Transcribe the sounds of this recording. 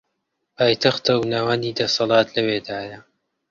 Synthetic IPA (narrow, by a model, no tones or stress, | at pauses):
paːjt̪ʰɐxt̪ɐwnawɐniːd̪ɐsɑlˠɑːt̪lɐweːd̪aːjɐ